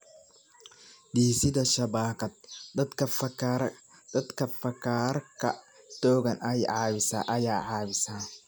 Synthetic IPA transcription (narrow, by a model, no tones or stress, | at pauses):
d̪iːsɪdɐʃɐbaːkɐd̪̚ɐkɐɐ | d̪̥ɐd̪kʰɐfɐkʰarkʰɐ̰ | t̪ɔːɣɐnʔɐjʕɑːβɪsa̰ːʔɐjaːʕɑːβɪsaː